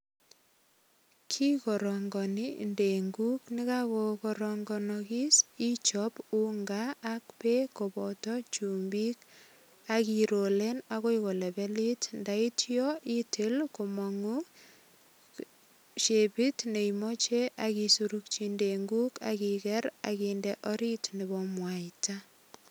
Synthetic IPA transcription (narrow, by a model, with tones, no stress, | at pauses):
kʰi˦kɔ˨ɾɔŋɡɔ˨ni˦nde˨ŋɡu˦kni˦kakokɔɾɔŋɡɔnɔki˦si˦t͡ʃɔpu˦ŋɡaː˦kpe˦ko˨bɔ˨tɔ˦t͡ʃu˨mbi˦k | aki˨ɾo˨le˦naɣo˦iko˨lɛ˨bɛ˦li˦tndai˦tjɔʔi˦tʰɪ˦lkomɔ˨ŋu | ʃepi˦tne˨imɔt͡ʃe˦ʔakisuɾuk̚t͡ʃindeŋɡu˦ka̰kikɛ˦ɾa̰kindeʔɔɾi˦tniβɔmwaita